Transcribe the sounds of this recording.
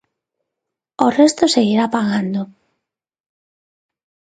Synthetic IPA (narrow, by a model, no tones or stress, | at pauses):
orest̪oseɣiɾapaɣand̪o